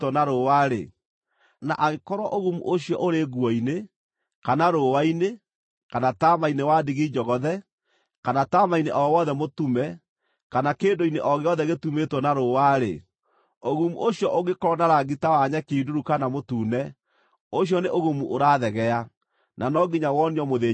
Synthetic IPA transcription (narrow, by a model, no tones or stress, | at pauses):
tɔnaɾowaɾe | na̰ʔaɣekɔɾwaʔoɣumṵʔoɕiɔ̰ʔoɾeɣwɔine | kanaɾowaine | kanatamainewadiɣid͡ʒɔɣɔðɛ | kanatamaineʔɔwɔðɛmotumɛ | kanakeːndoineʔɔɣeɔðɛɣetumetwɔnaɾowaɾḛ | oɣumṵʔoɕjɔʔoɣekɔɔnaɾaɡitawaɲɛkiduɾukanamotuːnɛ | oɕjɔneʔoɣumuʔoɾaðɛɣɛa | nʔanɔɡiɲawɔniɔmoðe